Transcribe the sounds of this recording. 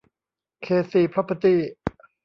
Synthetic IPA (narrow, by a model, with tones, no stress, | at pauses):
kʰeː˨˩siː˨˩pʰɾa˦˥pʰːa˧t̪iː˧˥˩